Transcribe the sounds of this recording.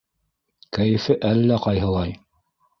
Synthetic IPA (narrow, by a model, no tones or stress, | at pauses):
kæjɘ̆fɘʔælːæqɑjɦɤ̆lˠɑj